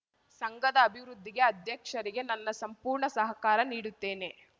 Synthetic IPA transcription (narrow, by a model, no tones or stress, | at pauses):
sɐŋɡɐd̪ɐːbʱiʋɾud̪ʱːiɡe̞ɐd̪ʱjɐkʂɐɾiɡe̞nɐnːɐsɐmpuːɾɳɐsɐɦɐkaːɾɐniːɽut̪ːe̞ːne̞